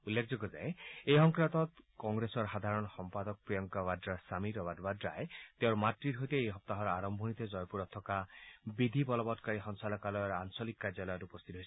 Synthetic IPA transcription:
ulːekʰd͡ʒɔɡɔd͡ʒa̰eeɦɔŋkɾat̪ɔt̪kɔŋɡɾesɔɾɦad̪ʱaɾɔnɔxɔmpad̪ɔkɔpɾijɔŋkaβad̪ɾasamiɾɔbad̪badɾa̰et̪eoɾɔmaʈɾiɾɦojt̪eejɦɔp̚t̪aɦɔɾaɾɔmbʱɔnit̪ed͡ʒɔjpuɾɔt̪ʰːɔkabid̪ʱibɔlɔbɔt̪kaɾiɦɔnsalɔkalɔɾansɔlikːad͡ʒalajɾeupɔst̪ʰit̪ɔɦojs

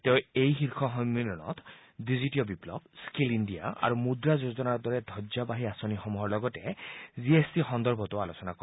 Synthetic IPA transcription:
teʊejxiɹkʰɔɦɔmminɔnɔ̰tʰ | dizitiɔbiplɔ̰bskilindija̰a̰ɹumudɹazozɔnaɹɔdɔɹɛdʱɔzabaɦiasonixɔmuɦɔɹlɔɡɔtɛziesixɔnd̪ɔɹbʱɔtʊalosɔnako

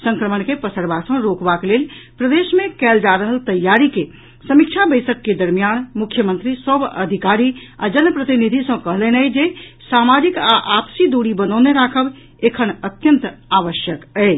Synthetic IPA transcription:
sə̃ŋkɾəmənkepəsəɾbasə̃ɾokbakelelpɾəd̪esmekɛld͡ʒaɾəɦəlt̪əjːaɾike | səmik̚t͡ʃʰabəɪsəkːed̪əɾmijanmukʰjəmənt̪ɾisəbə̰d̪ʱikaɾia̰d͡ʒənpɾət̪inid̪ʱisə̃kəɦlɛnəjd͡ʒesamad͡ʒikaʔapsid̪uɽibənəʊneɾakʰəb | ekʰənət̪jənt̪aʋəʃjəkəɪ

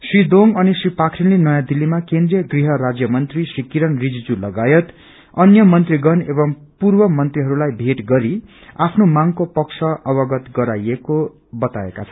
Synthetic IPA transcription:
srid̪oŋʌnisripakʰɾinlenʌjãd̪ilːimakend̪rijʌɡriɦʌɾad͡zjʌmʌnt̪risrikiɾʌnrid͡zd͡zulʌɡajʌt̪ | ʌnjʌmʌnt̪riɡʌnebʌŋpurbʌmʌnt̪riɦʌɾulajbʱeʈɡʌɾi | apʰnomaŋkopʌkt͡sʰʌʔʌβʌɡʌt̪ɡʌɾajeko | bʌt̪aekat͡sʰʌn

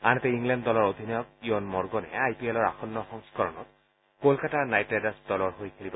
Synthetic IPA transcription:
anɛt̪ɛiŋlɛnddɔlɔɹod̪ʱinɔjɔk̚iɔnmɔɹɡɔnɛ̰ajpielɔɹa̰xɔnːɔxɔŋskɔɹɔnɔ̰t̪̚ | kolkatanajtadasdɔlɔɹɦojkʰelibɔ

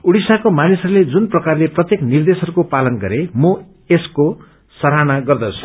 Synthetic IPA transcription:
uɽisakomanisʌɾuled͡zunprʌkarleprʌt̪jeknird̪esʌɾukopalʌnɡʌɾemʌ | esko | sʌɾanaɡʌrd̪ʌt͡sʰu̥

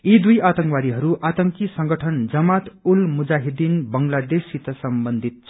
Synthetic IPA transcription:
id̪ujat̪ʌŋkwaɾiɦʌɾuʔat̪ʌŋkisʌŋɡʌʈʰʌnd͡zʌmat̪ulmud͡zaɦid̪inbʌŋlad̪esit̪ʌsʌmbʌnd̪ʱit̪̚t͡sʰʌ

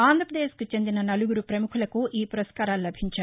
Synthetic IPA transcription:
aːnd̪ʱɾɐpɐd̪eːʃkut͡ʃe̞nd̪inɐnɐluɡuɾupɾɐmukʰulɐkuʔiːpuɾɐskaːɾaːlulɐbʱiɲt͡ʃaːɾu

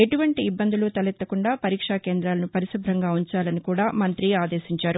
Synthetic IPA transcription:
e̞ʈuʋɐɳʈiːbːɐnd̪ulut̪ɐlɛt̪ːɐkuɳɖaːpɐɾiːkʂakeːnd̪ɾaːlɐnupɐɾisubʱɾɐŋɡaːuɲt͡ʃaːlɐnikuːɽaːmɐnt̪ɾiaːd̪eːʃiɲt͡ʃaːɾu

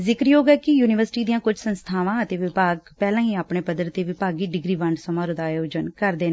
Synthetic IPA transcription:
zɪkɾjoːɡɛːkɪjuːnɪʋəɾsɪʈiːd̪ijãːkʊd͡ʒsənst̪ʰaːʋãːət̪eːʋɪpaːɡpɛːlãːĩːaːpɳeːpəd̪əɾt̪eːʋɪpaːɡiːɖɪɡɾiːʋəɳɖsəmaːɾʊ̃d̪aːjoːd͡ʒənkəɾd̪eːn

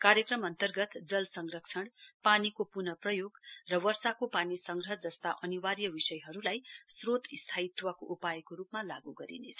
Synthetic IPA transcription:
kaɾjʌkrʌmʌnt̪ʌrɡʌt̪d͡zʌlsʌŋɡrʌksʰʌɽpanikopunʌprʌjoɡrʌwʌrsakopanisʌŋɡrʌɦd͡zʌst̪aʔʌniwaɾjʌbisʌjɦʌɾulajsrot̪ist̪ʰait̪ːwʌkoʔupaekoɾupmalaɡuɡʌɾḭnet͡sʰʌ

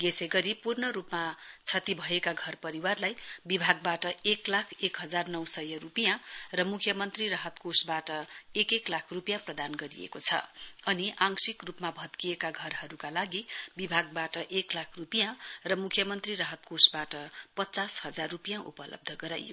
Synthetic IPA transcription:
ɡeseɡʌɾipurnʌɾupmat͡sʰʌt̪ibʱʌekaɡʱʌrpʌɾiwarlajbibʱaɡbaʈʌeklakʰekɦʌd͡zarnʌwsʌjʌrupijãrʌmukʰjʌmʌnt̪riraɦʌt̪kosbaʈʌekeklakʰrupijãprʌd̪anɡʌɾḭḛkot͡sʰʌ̰ʌniʔaŋsikrupmabʱʌt̪kijekaɡʱʌrɦʌɾukalaɡibibʱaɡ̚baʈʌʔeklakʰrupijãrʌmukʰjʌmʌnt̪riraɦʌt̪̚kosbaʈʌpʌtːt͡sashʌd͡zarrupijãʔṵpʌlʌ̰b̚d̪ʱʌɡʌɾa̰jjo̰

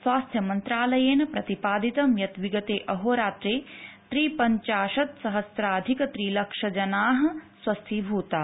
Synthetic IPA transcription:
sʋwaːst̪ʰjɐmɐnt̪ɾaːlɐjeːnɐpɾɐt̪ipaːd̪it̪ɐmjɐt̪ʋiɡɐt̪eːʔɐɦoːɾaːt̪ɾeːt̪ɾiːpɐɲt͡ʃaːʃɐt̪sɐɦɐsɾaːɐd̪ʱikɐt̪ɾiːlɐkʂɐd͡ʒɐnaːɦɐ̆sʋɐst̪ʰiːbʱuːt̪aː

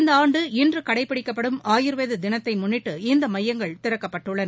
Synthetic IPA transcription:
nd̪ɐaːɳɖɯɪndrɯkɐɽɐɪpːɪɽɪkːɐpːɐɽɯmaːjɪɾɯʋeːðɯd̪ɪnɐt̪ːɐɪmʊnːɪʈːɯɪnd̪ɐmɐjːɐŋɡɐɭt̪ɪɾɐkːɐpːɐʈːɯɭːɐn

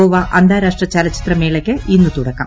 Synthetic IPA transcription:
oːʋɐʔɐnd̪aːɾaːʂʈrɐt͡ɕɐlɐt͡ɕːi̥t̪rɐmeːɭɐkʲːɨʔinːut̪uɽɐkːɐm

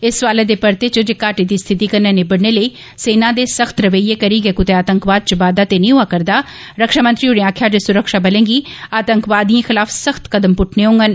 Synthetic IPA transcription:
ɪsʋaːleːd̪eːpəɾt̪eːt͡ʃd͡ʒeːkaːʈiːd̪iːst̪ʰɪt̪iːkəɾneːneːbəɽneːləiː | seːnãːd̪eːsəxt̪ɾəʋəieːkəɾiːɡeːkʊt̪eaːt̪əŋkʋaːd̪̚t͡ʃəbaːd̪aːt̪eːnĩːɦʊaːkəɾd̪aː | ɾəkʃaːmə̃nt̪ɾiːɦʊɽẽaːkʰjaːd͡ʒesʊɾəkʃaːbəlẽːŋɡiːaːt̪əŋkʋaːd̪ijãːxɪlaːfsəxt̪kəd̪əmpʊʈʰneːɦõːŋɡən

